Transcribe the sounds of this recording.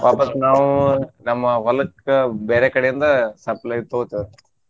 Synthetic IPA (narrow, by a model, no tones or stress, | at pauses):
paːpɐt̪ːnaːʋunɐmːɐʋɐlɐkɐbeːɾekɐɽejind̪ɐsɐplɐjt̪oːt̪iʋɾ